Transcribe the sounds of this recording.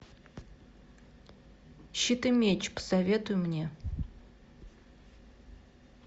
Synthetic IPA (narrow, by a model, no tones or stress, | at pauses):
ɕit̪ɨmʲet͡ɕpə̥sɐvʲe̞t̪ʊjʊmnʲe̞